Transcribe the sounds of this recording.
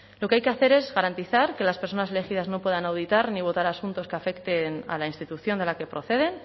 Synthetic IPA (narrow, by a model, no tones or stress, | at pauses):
lo̞keajke̞aθe̞ɾe̞zɣaɾant̪iθaɾke̞laspeɾso̞nasele̞xiðazno̞pwe̞ðanawð̞it̪aɾniβ̞o̞t̪aɾasunt̪o̞skeafe̞kt̪e̞na̰lainst̪it̪uθjo̞nd̪elake̞pɾo̞θe̞ð̞e̞n